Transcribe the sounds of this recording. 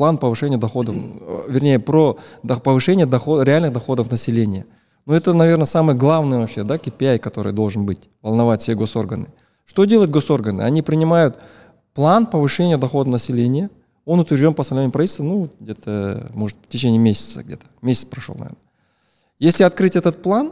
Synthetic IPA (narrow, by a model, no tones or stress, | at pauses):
plˠanpəvɨʂɛnʲɪjəd̪ɐxo̞d̪əfvʲɪrnʲejəpɾoɐpəvɨʂɛnʲɪjəd̪ɐxoɾʲɪalʲnɨxd̪ɐxo̞d̪əfnəsʲɪlʲenʲɪjə | nuɛt̪ənɐvʲe̞rnəsamɨjəɡlˠavnɨjəvɐpɕːe̞d̪akʲɪpʲɪajkɐt̪o̞ɾɨ̰jd̪o̞lˠʐɨnbɨtʲvəlˠnɐvatʲfʲsʲeɡo̞so̞rɡənɨ | ʂt̪o̞dʲelˠəjt̪ɡo̞so̞rɡənɨ̰ɐ̰nʲipɾʲɪnʲɪmajʊt̪ | plˠanpəvɨʂɛnʲɪjəd̪ɐxo̞d̪ənəsʲɪlʲenʲɪjə | o̞nʊt̪vʲɪɾrʐdʲonpəɐsɐnvʲenʲːɪmpɾɐvitʲːlʲst̪ənuvot̪̚ɡ̚dʲet̪əmo̞ʐɨt̪ftʲɪt͡ɕenʲɪjɪmʲesʲɪ̥t̪sə̰ɡ̚dʲet̪ə̥mʲesʲɪ̥t̪spɾɐʂo̰lnɐ̰ḛnə | jesʲlʲɪɐt̪̚kɾɨtʲɛt̪ət̪̚plˠan